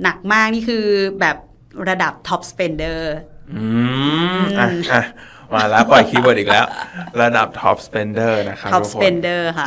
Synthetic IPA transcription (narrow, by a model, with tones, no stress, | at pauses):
na˨˩k̚maː˥˩k̚niː˥˩kʰɯː˧bɛː˨˩p̚ | ɾa˧da˨˩p̚t̪ʰɔ˦˥p̚spe˧ndɤː˥˩ʔʔɯː˧ | a˧˩ʔa˧˩ | waː˧˩lɛː˦˥pɔ˨˩jkʰiː˦˧˦bɤ˨˩t̪̚iː˨˩klɛː˦˥wɾa˧da̰˨˩p̚t̪ʰɔ̰˦˥p̚spe˧ndɤː˥˩na˦˥kʰa˦ɔ˦˥˦sʰpe˧ndɤː˥˩kʰa˥˩